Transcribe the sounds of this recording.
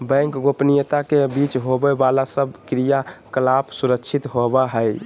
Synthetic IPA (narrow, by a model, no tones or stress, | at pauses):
bɛ̃ŋkɡopnijət̪akebit͡ʃɦobɛbalasəbkɾijakəlapsuɾəkt͡ʃʰit̪ɦobaɦəj